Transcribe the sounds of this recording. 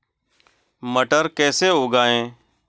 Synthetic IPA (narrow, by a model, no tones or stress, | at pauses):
məʈəɾkɛːseɦoːɡaːẽː